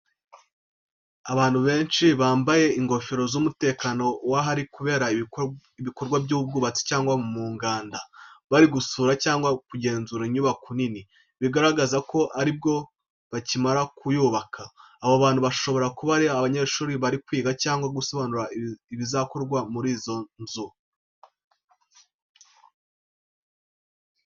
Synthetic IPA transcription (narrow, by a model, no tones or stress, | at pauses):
aβaːn̥huβe̞ːnʃiβaːmbaje̞iŋɡo̞feɾo̞zumute̞ːkano̞waɦaɾikuβe̞ːɾa | iβiko̞ɾɡwabɟuːub̚ɡuːβat͡se̥caːŋɡwamuːŋɡaːndaβaɾiɡusuːɾacaːŋɡwakuɟe̞ːnzuɾaiɲuβakunini | βiɡaɾaɡazako̞ʔaɾib̚ɡo̞ | βacimaɾakʰujuːβakʰaː | βoβaːn̥huβaʃo̞βo̞ɾakuβaɾiaβaɲeɾʃuːɾiβaɾikwiːɡacaːŋɡwaɡuso̞βanuɾaiβizako̞ɾɡwamuɾiːzo̞nzu